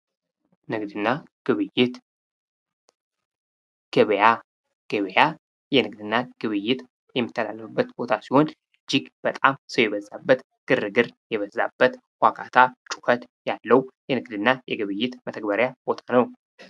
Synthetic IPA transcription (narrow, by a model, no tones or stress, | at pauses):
nɨɡd̪ɨnːa | ɡ̥ɨβɨjɪt̪ | ɡ̥ɨβja | ɡ̥ɨβja | jɛnɨɡd̪ɨnːaɡ̥ɨβɨjːɪt̪ | jɛmːɨt̪ʰːəlalːəfɨbːət̪bo̞t̪ʰasiho̞nʔɨd͡ʒːiɡb̥ət̪ʼamsəwjɛβəzːabːət̪ | ɡ̥ɨrɨɡɨɾjɛβəzːa̰b̥ːət̪ | wʷakʰat̪ʰat͡ʃʼu̥fət̪jalːəwjɛnɨɡd̪ɨnːajɛɡɨβɨjːɪt̪mət̪ʰəɡ̚bəɾjabo̞t̪ʰanəw